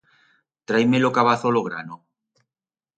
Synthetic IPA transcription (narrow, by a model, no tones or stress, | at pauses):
t̪ɾajmelokaβ̞aθoloɣɾa̰no